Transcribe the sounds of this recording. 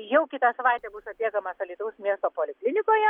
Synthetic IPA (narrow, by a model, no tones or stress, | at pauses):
jɛʊkʲɪt̪ɑsɐʋɑɪt̪ʲɛːbʊsʊɐt̪ʲiɛkɐmɐsɐlʲit̪ʊɐʊsmʲiɛst̪oːpoːlʲɪklʲɪnʲɪkoːjɛ